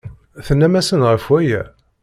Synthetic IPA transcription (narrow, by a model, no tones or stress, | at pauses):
θənːæmæsənʁəfwæjæ̰